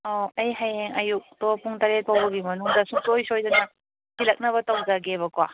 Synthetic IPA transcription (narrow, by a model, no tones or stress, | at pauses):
oɐjɦajeŋɐjuk̚topuŋtaɾet̚pawbɐɡimɐnuŋdɐsuŋsojsojdɐnɐ | silɐk̚nɐβɐtɐwzaɡeβɐkwa